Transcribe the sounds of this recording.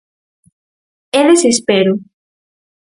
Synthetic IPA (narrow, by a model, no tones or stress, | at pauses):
eðesespeɾu